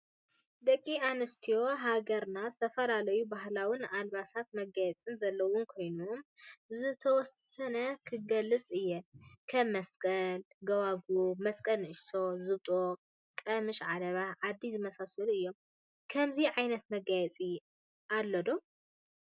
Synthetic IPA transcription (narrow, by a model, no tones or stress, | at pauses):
d̪ɐkʼːianɨst̪ʰijo̞ɦaɡɐɾnazɨt̪ʰɐfɐlalɐjubaɦlawinalβasat̪̚mɐɡajɛt͡sʼɨnzɐlːɐwʊnkʰo̞jnumzɨt̪ʰɐwɔs | ɐnɐkʰɨɡɐlːɨt͡sʼɨjːɛkʰɐmːɐskʼɐl | ɡɐwaɡumɐskʼɐlnɨʔɨʃso̞zɨβt̪ʼo | kʼɐmɨʃʕad̪ɐβaʕad̪ːizɨmɐsasɐluɨjːo̞m | kʰɐmziʕajnɐt̪mɐɡajɛt͡sʼi | ʔalːɐd̪o